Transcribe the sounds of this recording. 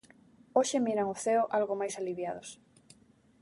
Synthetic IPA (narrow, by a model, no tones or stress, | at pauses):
oʃɪmiɾaŋʊθeʊʔalɣomajsaliβjaðos